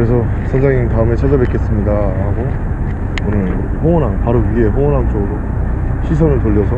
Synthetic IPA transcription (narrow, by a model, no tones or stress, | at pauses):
kɾes̬ʰʌ | sʰʌnd͡ʑaŋintaɯme̞t͡ɕʰad͡ʑabek͈es͈ɯmɲidaɾaɡo | onɯn | ɸoŋʌnaŋpaɾoiɡeɸoŋʌnant͡ɕ͈oɡɯɾo | ɕʰis̬ʰʌnɯɭtoʎːʌsʰʌ